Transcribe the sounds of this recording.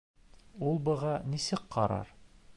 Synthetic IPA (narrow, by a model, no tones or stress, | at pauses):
ulˠbɤ̆ʁɑnisɘkqɒɾɑ̰ɾ